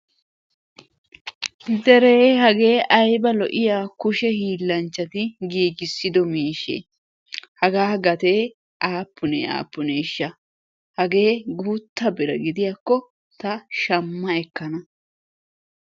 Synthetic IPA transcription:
d̪ɛɾeːhɐɡe̞ːʔɐjbɐlɔʔɪjaːkʊʃɛhiːlːɐnt͡ʃːɐt̪ɪɡiːɡɪsːɪd̪ɔmiːʃḛ | hɐɡaːɡɐt̪e̞ː | ʔaːpːʊnḛːa̰ːpːʊneːʃːɐ | hɐɡe̞ːɡuːt̪ːɐbɪɾɐɡɪd̪ɪjakːɔ | t̪ɐʃɐmːɐɛkːɐnɐ

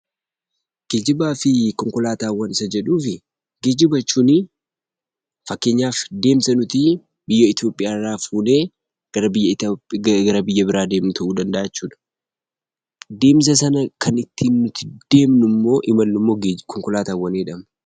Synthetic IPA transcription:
ɡ̥ed͡ʒɪbaːfɪkɔŋkɔlaːt̪aːwːɐnɪsɐd͡ʒɛᶑuːfɪ | ɡeːd͡ʒɪbɐt͡ʃːuːnɪ | fɐkːe̞ːɲːaːfd̪e̞ːmsɐnʊt̪i | bɪjːɐɪt̪jo̞pʼːɪjaːɪrːaːfuːne̞ː | ɡ̥ɐɾɐbɪjːɐɪt̪ːɡɐɾɐbɪjːɐbɪɾaːd̪e̞ːmnʊt̪ʰɐʔuːd̪ɐnd̪ɐʔaːt͡ʃːuːᶑɐ̥ | d̪e̞ːms̬ɐsɐnɐkʰɐnɪt̪ʰːinːʊt̪ɪd̪̥e̞ːmnʊmːo̞ːʔɪmɐlːʊmːo̞ːɡkɔŋkɔlaːt̪aːwːɐneːᶑɐm

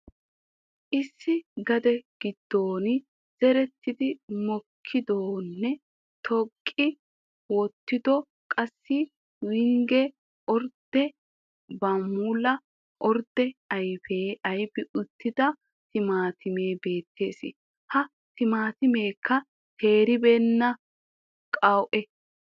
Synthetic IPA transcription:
ʔɪsːɪɡɐd̪ɛɡ̥ɪd̪̥ːoːnɪ | z̥ɛɾɛt̪ːɪd̪ɪmɔkʰːɪd̪oːnːɛ | t̪ʰɔkʼːɪ | wɔt̪ːɪd̪ɔ | kʼɐsːɪ | wɪŋɡɛ | ʔɔɾd̪̥ɛ | bɐmuːlɐ | ʔɔɾd̪ɛɐjfeːɐjfɪʔʊt̪ːɪd̪ɐ | t̪ɪmaːt̪ɪme̞ːbe̞ːt̪ʰːe̞ːsɪ̰ | hɐ | t̪ɪmaːt̪ɪmeːkʰːɐ | t̪ʰe̞ːɾɪbɛnːɐ | kʼɐwʔɛ

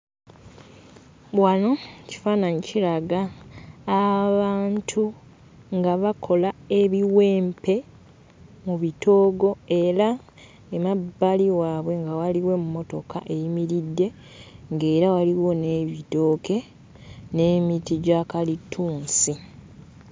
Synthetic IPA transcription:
βwano̞ci̥faːnaɲicilaɡaː | βaːntʰu | ŋɡaβakʰo̞lae̞βiwe̞ːmpe̞ | muβito̞ːɡo̞e̞ɾa | emabːaliwaːβwe̞ŋɡawaliwe̞mumo̞to̞kaʔe̞jimiɾidːe̞ | ŋɡe̞ːɾawaliwo̞ne̞βito̞ːke̞ | ne̞ːmitiɟakalitʰːuːnsi

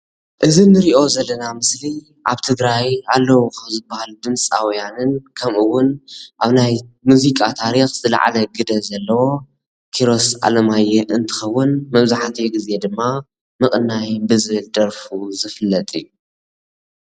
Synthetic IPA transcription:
ʔɨzinːɨɾiʔo̞zɐlːɐnamɨsli | ʔa̰βt̪ʰɨɡɾajalːɐwukʰɐmzɨbːahalud̪ɨmt͡sʼa̰wjanɨnkʰɐmʔɨwːʊnʔaβnajmuzikʼat̪ʰaɾixzɨla̰ʕa̰lɐɡɨd̪ɐzɐlːɐwo̞ | kʰiɾo̞sʔa̰lɐmajːɛʔɨnt̪ʰɨ̥xɐwːʊnmɐβzaħat̪ʰiɡize̞d̪ɨmːa | mɨkʼɨnːajbɨzɨβɨld̪ɐɾfuzɨfɨlːɐt̪ʼɨ̰jːu

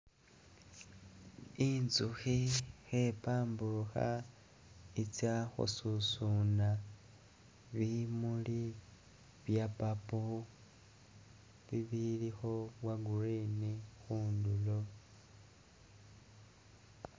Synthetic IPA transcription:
inzuxixepaːmbuɾuxa̰ | it͡sjaxṵsusuna | βimuli | βjapapo | βiβilixowaɡuɾinixuːndulo

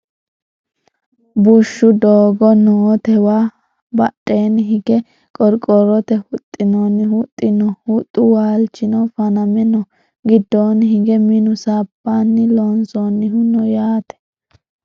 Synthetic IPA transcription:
bʊʃːʊd̪oːɡɔnoːt̪ɛwa | bɐɗʼːeːnɦɪɡɛ | kʼɔɾkʼɔɾɔt̪ɛhʊt̪ʼːɪnonːɪhʊt̪ʼːɪnɔhʊt̪ʼːʊwaːlt͡ʃːɪnɔfɐnɐmɛnɔ | ɡɪd̪ːoːnɦɪɡɛmɪnʊsaːpːanːɪloːnsɔnːɪhʊnɔjaːt̪ɛ̥

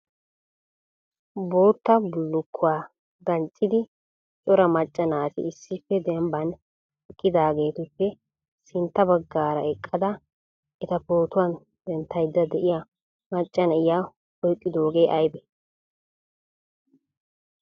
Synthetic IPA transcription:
bo̞ːt̪ːɐbʊlːʊkʰːʊwaː | ɡ̪ɐnt͡sʼːɪd̪ɪ | t͡ʃʼɔɾɐmɐt͡ʃʼːɐnaːt̪ɪ̰ɪsːɪpːɛd̪ɛmbɐn | ɛkʼːɪd̪aːɡe̞ːt̪ʊpːɛ | sɪnt̪ːɐbɐɡːaːɾɐɛkʼːɐd̪ɐ | ʔɛt̪ɐpo̞ːt̪ʊwɐn | d̪̥ɛnt̪ːɐjd̪ːɐd̪ɛʔɪja | mɐt͡ʃʼːɐnɐɪjaː | ɔjkʼːɪd̪o̞ːɡeːʔɐjbɛ

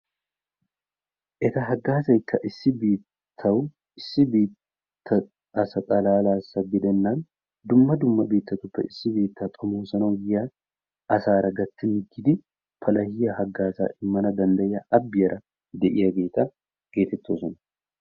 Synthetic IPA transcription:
ʔɛt̪ɐɦɐɡːaːsɐjkʰːɐʔɪsːɪbeːtt̪ʰːɐw | ɪsːɪbeːt̪ʰː | ɐ | ɐsɐt̪ʼɐlaːlaːsːɐɡɪd̪ɛnːaːn | d̪ʊmːɐd̪ʊmːɐbe̞ːt̪ːɐt̪ʊpːɛ̰ɪsːɪbe̞ːt̪ːat̪ʼɔmoːsɐnɐwja | ʔɐsaːɾɐɡɐt̪ːɪnɪɡɪd̪ɪ | pʰɐlɐhɪjɐhɐɡːaːsa̰ːʔɪmːɐnɐd̪ɐnd̪ɐjɐʔɐbːɪjɐɾɐ | d̪ɛʔɪjɐɡe̞ːt̪ːɐ | ɡ̥e̞ːt̪ɛt̪ːoːsɔnɐ

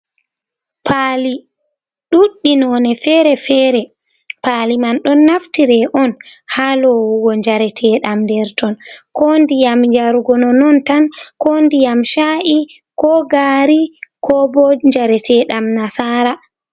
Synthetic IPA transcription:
pʰali | ɗuɗːinɔnɛfɛːɾɛfɛːɾɛ | palimanɗɔnːaftiɾɛʔɔnhalɔwuɡɔɲd͡ʒaɾɛtʰɛɗamndɛɾtɔnkɔndijamd͡ʒaɾuɡɔnɔnɔntankɔndijamʃaʔi | kɔɡaːɾikɔbɔɲd͡ʒaɾɛtʰɛɗamnasaɾa

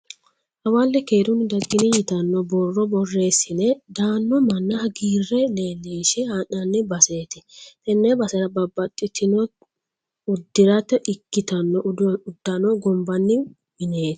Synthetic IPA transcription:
ʔɐwalːɛkeːɾʊnɪd̪ɐɡʼːɪnɪjɪt̪ɐnːɔbɔrːɔbɔrːe̞ːsɪnɛd̪aːnːɔmɐnːɐhɐɡiːrːɛle̞ːlːeːʃɛhanːɐnːɪbɐseːt̪ɪt̪ɛnːebɐsɐɾɐbɐbːɐt̪ʼːɪt̪ɪnɔ | ʊd̪ːɪɾɐt̪ːɛʔɪkːɪt̪ɐnːɔʊd̪ːɐnɔɡɔmbɐnːɪ | mɪneːt̪ɪ̥

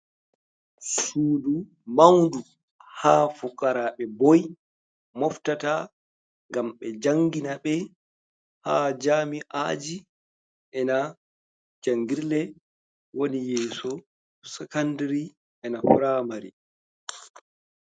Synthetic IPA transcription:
suːdu | mawndu | haːfukːaɾaɓɛbɔj | mɔftata | ŋɡamɓɛd͡ʒaŋɡinaɓɛ | haːd͡ʒaːmiʔa̰ːd͡ʒi | ʔɛna | d͡ʒaŋɡiɾlɛ | wonijɛːsɔ | sɛkandɾi | ɛnafuɾamaɾḭ

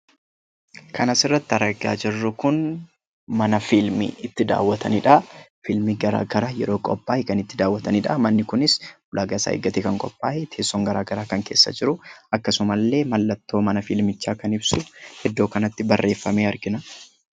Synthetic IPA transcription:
kʰɐnɐsɪrːɐt̪ːɪɐɾɐɡaːd͡ʒɪrːʊkʊn | mɐnɐfɪlmɪ̰ɪt̪ːɪd̪a̰ːwːɐt̪ʰɐnɪᶑɐfɪlmiɡɐɾa̰ːɡɐɾaːjɛ̰ɾo̞ːkʼɔ̰pʼːaːʔɪkɐnɪt̪ːɪd̪aːwːɐt̪ɐnɪᶑɐmɐnːɪkʊnɪsbʊlʔaːɡaːsa̰ːḛɡːɐt̪eːkɐŋkʼɔpʼːaːʔɛt̪ʰeːsːoŋɡɐɾaːɡɐɾaːkɐŋke̞ːsːɐ̰d͡ʒɪɾʊɐkːɐsʊmɐlːe̞ːmɐlːɐt̪ːo̞ːmɐnɐfɪlmɪt͡ʃːaːkɐnɪbsʊhɛd̪ːo̞ːkɐnɐt̪ːɪbɐrːe̞ːfːɐmeːɐɾɡɪnɐ

